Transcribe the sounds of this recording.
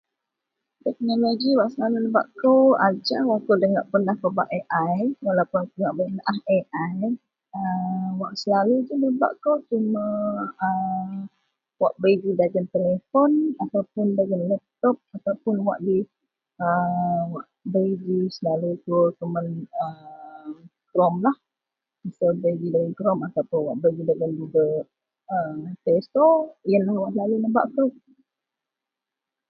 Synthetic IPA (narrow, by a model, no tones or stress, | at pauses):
t̪ɛk̚nɔloɡiwaʔsəlalunəba̰ʔkowad͡ʒawaʔkowdəŋaʔpənahkəba̰ʔeʔajwalawpʊndŋaʔbənaheʔaj | əwaʔsəlalud͡ʒunəba̰ʔkowt͡ʃumãə | waʔbejd͡ʒidaɡənt̪elefɔnat̪awpʊndaɡanlɛp̚t̪ɔp̚at̪awpʊnwa̰ʔdi | əwaʔbed͡ʒisənalut̪uək̪əmənə | kɾɔmlah | misəbeɡidaɡəkɾɔmat̪awpʊnwaʔbəɡidaɡand͡ʒuɡa | əmt̪ɛst̪ɔjənawaʔlalunəba̰ʔku